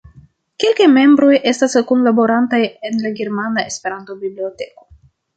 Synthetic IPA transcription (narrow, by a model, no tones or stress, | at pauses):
kelkajme̞mbɾo̞jʔe̞staskonlabo̞ɾantaje̞nlaɡe̞ɾmanae̞spe̞ɾanto̞biblio̞te̞ko̞̥